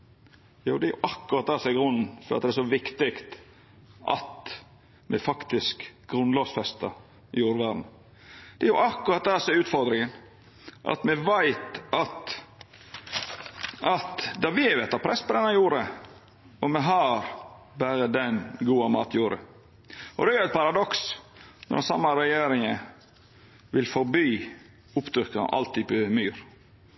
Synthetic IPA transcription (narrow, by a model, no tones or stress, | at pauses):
juːd̪ɛæɾjʊ̰ʔɑkːʉɾɑt̪̚d̪æːsɛɡɾʉnn̩fɔɾɑ̰t̪d̪ɛsɔʋɪkt̪ɪkt̪ | ʔɑ̰t̪ | mʔɛ̰fɑkt̪ɪskɡ̥ɾʉnloːʋsfɛst̪ɑ | juːɾʋæːd̪n̩ | d̪̥ɛæjʊʔɑkːʊɾɑt̪̚d̪æːsɛʉːt̪fɔɾd̪ɾɪŋən | ʔɑ̰t̪mɛʋæɪt̪ɑt̪ | ʔɑt̪d̪ɑʋɪʋɛt̪ːɑt̪̚pʰɾɛspɔd̪ɛnːɑjuːɾə | ɔmɛɦɑɾ | bæːɾəd̪ɛnɡuːɑmɑ̰ːt̪juːɾə̰ | ʔɔd̪ɛæɾjʊæɛt̪̚pʰɑɾɑd̪ɔksnɔ̰ɾd̪ɛnsɑ̰mːɑɾɛjeːɾɪŋə | ʋɪlfɔɾbyː | ʊpt̪ʰɾʏkːənɑ̰ʔɑ̰lt̪ʰiːpəmyːɾ